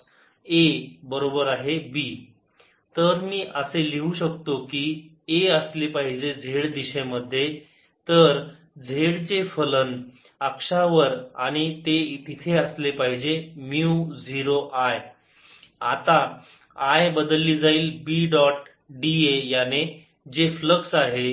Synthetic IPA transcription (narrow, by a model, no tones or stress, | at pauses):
ebəɾobəɾaɦebiː | t̪əɾmiːʔəseliuɕəkt̪okiː | eəslepaɦid͡ʑed͡zʱeɭd̪iɕeməd̪ʱːje | t̪əɾ | d͡zʱeɽt͡sefələn | əkʂaʋəɾaɽ̃it̪eit̪it̪ʰeəslepaɦid͡ʑemjiud͡ziɾoʔaj | at̪a | ajbəd̪lːiːd͡zaiːlbiɖɔʈ | ɖiejane | d͡ʑefləksaɦe